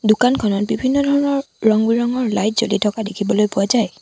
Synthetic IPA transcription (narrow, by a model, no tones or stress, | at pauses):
dʊkankʰɔnɔt̚bibʱinːɔdʱɔɹɔnɔɹ | ɹɔŋbiɹɔŋɔɹlajt̚zolitʰɔkadekʰibɔlojpʊazaj